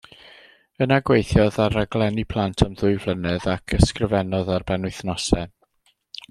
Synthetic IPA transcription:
ənaɡwejθjɔðaɾaɡlˠɛnipʰlˠantʰamðʊɨvlˠənɨðakʰəskrəvɛnɔðarbɛnwɪɨθnɔsɛ

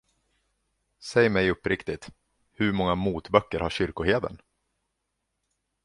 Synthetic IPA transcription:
sɛjmɛjɵpːɾɪkt̪ɪt̪ | hɵɾmɔŋːamuːt̪bœkːəɾhaɕʏɾkʊheːd̪ə̰n

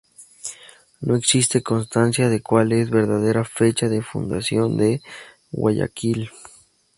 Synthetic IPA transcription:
noeksist̪ekonst̪ansjaðekwalesβeɾðaðeɾafet͡ʃaðefṵnd̪asjond̪e | wa̰ja̰kil

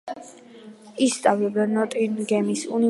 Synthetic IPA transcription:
ist̪ʼavlɛbd̪anɔt̪ʼinɡɛmisṵni

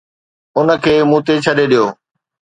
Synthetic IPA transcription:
ʊnə̆kʰeːmũːt̪et͡ɕʰɐɗeɗijoː

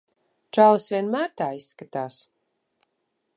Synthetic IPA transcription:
t͡ʃaːlˠɨsvʲiɛnmæːɾt̪aːisːkat̪aːs

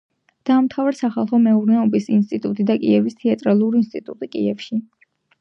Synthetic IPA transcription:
d̪̥aːmt̪ʰavaɾsaχalˠχɔmɛuɾnɛɔbisinst̪ʼit̪ʼut̪ʼid̪akʼḭɛvist̪ʰɛat̪ʼɾalˠuɾiinst̪ʼit̪ʼṵt̪ʼikʼḭɛfʃi

